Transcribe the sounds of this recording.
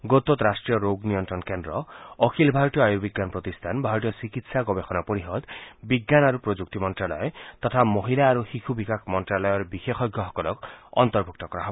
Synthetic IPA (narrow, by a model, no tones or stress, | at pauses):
ɡot̪ɔt̪ɾasʈɾijɔɾoɡnijɔnt̪ɾɔnkendɾɔɔkʰilbʱaɾɔt̪ijɔajubiɡːjanpɾɔt̪ist̪ʰanbʱaɾɔt̪ijɔsikit̪saɡɔbexɔnapoɾiɦɔd̪biɡːanaɾupɾod͡ʒuk̚t̪imɔntɾalɔjɔt̪ɔt̪ʰamɔɦilaːɾuxixʰubʱikakʰmɔntɾalɔjɔɾbixexɔɡjɔɦɔkɔlɔkɔ̰nt̪ɔɾbʱuk̚t̪ɔkɔɾaɦɔbɔ